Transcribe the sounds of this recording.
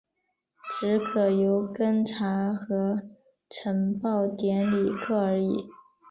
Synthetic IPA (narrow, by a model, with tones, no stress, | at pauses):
ʈ͡ʂɻ̩˧˥kʰɤ˨˩jo˧˥ʊkə˥ŋʈ͡ʂʰa˧˥xɤ˧˥ | ʈ͡ʂʰə˧˥ŋpɑ˥˩ʊt̪jɛ˧˥nli˨˩kʰɤ˥˩ə˞˧˥i˨˩˦